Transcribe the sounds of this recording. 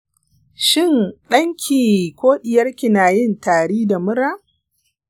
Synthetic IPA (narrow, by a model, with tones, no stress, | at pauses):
ʃɪ˦nɗɐ˦ŋkʲʰiː˨kʷoː˦ɗɪ˨jɐ˦rkʲɪ˨naː˨jɪ˦ntaː˨ɽiː˦da˨mʊ˦ɾaː˦